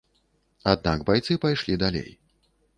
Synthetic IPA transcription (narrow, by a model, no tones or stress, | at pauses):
ad̪̚naɡbajt̪sɨpajʂlʲid̪alʲḛj